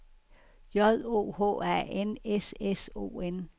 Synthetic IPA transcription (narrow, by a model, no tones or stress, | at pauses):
jɒðˠo̝̰ːho̰ːæ̰eneseso̝̰ːen